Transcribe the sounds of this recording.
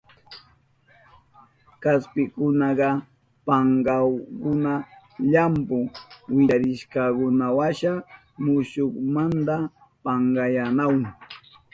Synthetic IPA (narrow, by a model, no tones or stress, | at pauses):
kaspɪkʊnɑɢɑ | pɑɴɢɑwkʊna | ʎampʊwɪaɾɪʃkɑkʊnawaʃa | mʊʃokmant̪a | pɑɴɢɑjanawŋ